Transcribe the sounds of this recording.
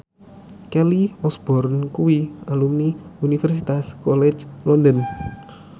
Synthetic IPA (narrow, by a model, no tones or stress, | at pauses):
kɛliɔsb̥ɔrnkuwiʔalumniunifɛrsit̪askɔlɛt͡ʃlɔndən